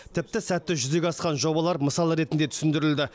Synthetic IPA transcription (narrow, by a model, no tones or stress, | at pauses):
t̪ʰɪp̚t̪ɪsæt̪ːɪʒʏze̞ɡʲɑsqɑnʒo̞bɑlˠɑɾməsɑlˠəɾe̞t̪ɪnd̪e̞t̪ʰʏ̥sɪnd̪ɪɾɪld̪ɪ